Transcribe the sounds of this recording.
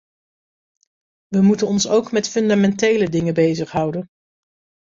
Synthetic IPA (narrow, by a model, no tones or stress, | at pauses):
ʋəmutənɔnsowkmɛtfɵndamɛntejlədɪŋəbejzəχɦʌwdən